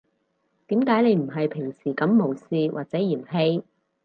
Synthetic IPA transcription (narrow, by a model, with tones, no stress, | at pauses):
t̪iː˨˥mkaː˨˥jne˨˧jm̩˨˩ɦɐ˨jpʰɪ˨˩ŋsiː˨˩kɐ˨˧˥mːo˨˩wsiː˧wʔaː˨k̚t͡sɛː˨˥jiː˨˩mɦe˧j